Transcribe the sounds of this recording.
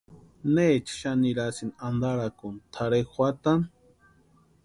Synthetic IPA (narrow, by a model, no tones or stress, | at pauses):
net͡ʃʰi̥ʃaniɾasinand̪aɾakunt̪ʰaɾekwʷat̪an